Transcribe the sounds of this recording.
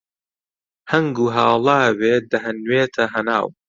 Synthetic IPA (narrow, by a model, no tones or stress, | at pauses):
hɐŋɡuːɦaːlˠaːweːd̪ɐɦɐnweːt̪ʰɐɦɐna̰ːw